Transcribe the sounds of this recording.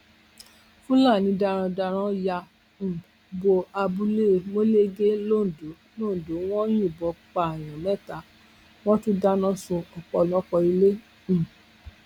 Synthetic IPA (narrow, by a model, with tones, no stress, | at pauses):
fũ˦la˦˨nĩ˨˧˦da˧ɾ̃ã˧da˧ɾ̃ã˦ja˧ | m̩˨ | bo˧a˧bu˧le˦˨mo˦le˦ɡe˦lo˦˨do˨˦ | no˦˨do˨˦w̃ɔ̃˦j̃ũ˦˨bɔ˨˦k͡pa˨j̃ɔ̃˨mɛ̃˦˨ta˨˦ | w̃ɔ̃˦tu˦da˦nɔ̃˦sũ˧ɔ˨k͡pɔ˧˨lɔ˦kɔ˧i˧le˦ | m̩˨